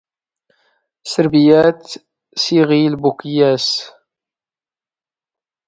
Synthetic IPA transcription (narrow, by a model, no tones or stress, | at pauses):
səɾbijæt̪ | siʁilbukjæs